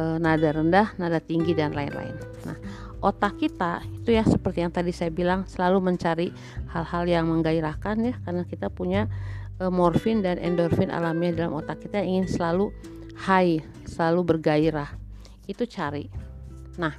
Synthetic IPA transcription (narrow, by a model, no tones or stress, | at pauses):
ənadaɾəndahnadat̪iŋɡidanlaɪ̰nla̰ɪ̰nːa̰h | ʔot̪akit̪ait̪ujasəpərt̪ijaŋt̪adisajabilaŋsəlaluməɲt͡ʃaɾi | halhaljaŋməŋɡaiɾahkanjahkarnakit̪apuɲaəmɔrfɪndanɛ̰ndɔrfɪnʔa̰lamɲadalamot̪akːit̪ajaŋiŋɪnsəlalu | hai | səlalubərɡaiɾah | it̪ut͡ʃaɾi | nah